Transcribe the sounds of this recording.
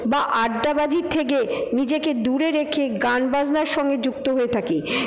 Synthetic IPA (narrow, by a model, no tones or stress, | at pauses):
baʔaɖɖabad͡ʑit̪ʰːek̬enid͡ʑeked̪uɾeɾekʰeɡanbad͡ʑnaɾʃɔŋɡed͡ʑuk̚t̪oɦoet̪ʰake